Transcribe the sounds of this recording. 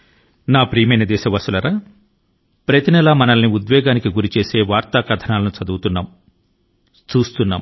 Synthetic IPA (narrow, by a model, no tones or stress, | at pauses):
naːpɾiːmɐjnɐd̪ɛːʃɐʋɐsulɐɾaː | pɾɐt̪inɛlaːmɐnɐlniud̪ʋɛːɡaːnikiɡuɾit͡ʃe̞ːse̞ːʋaːɾt̪aːkɐd̪ʰʱɐnaːlɐnut͡ʃɐd̪uːt̪unːaːm | t͡ʃuːst̪unːa̰ːm